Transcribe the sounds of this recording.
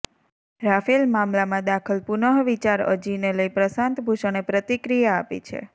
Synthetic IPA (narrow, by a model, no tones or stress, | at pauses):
ɾafilmamlamãd̪akʰəlpunəɦʋit͡ʃaɾə̰d͡ʒineləipɾəsãnt̪bʱuʃəñepɾət̪ikɾijaːpḭt͡ʃʰḛ